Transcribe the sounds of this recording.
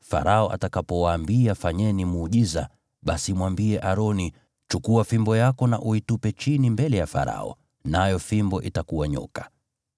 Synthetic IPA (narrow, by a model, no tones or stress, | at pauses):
fa̰ɾʔaɔʔa̰takapɔwaːmbiafaɲɛnimuːʄiza | ɓasimwambiɛʔaɾɔni | t͡ʃukuafimbɔjakɔnaʔuitupɛt͡ʃinimbɛlɛjafa̰ɾa̰ɔ̰ | najɔfimbɔʔitakuwaɲɔ̰kḁ